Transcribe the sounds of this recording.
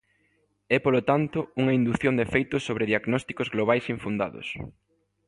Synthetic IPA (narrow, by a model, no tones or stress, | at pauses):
ɛpolot̪ant̪ʊuŋɐind̪uθjond̪efejt̪ʊsːoβɾeðiaɣnɔst̪i̥kozɣloβajsiɱfund̪a̰ðo̰s